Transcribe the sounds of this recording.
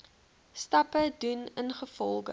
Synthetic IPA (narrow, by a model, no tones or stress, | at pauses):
stɐpədunənχəfɔlˠɡə̰